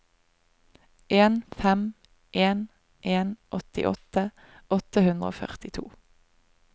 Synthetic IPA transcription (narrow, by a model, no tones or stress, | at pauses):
ʔeːnfɛm | ʔeːn | ʔeːnʔɔt̪ɪ̰ʔɔ̰t̪ə | ɔt̪əhʉnʁəo̰ːfœ̰ʁt̪ɪt̪ʰṵː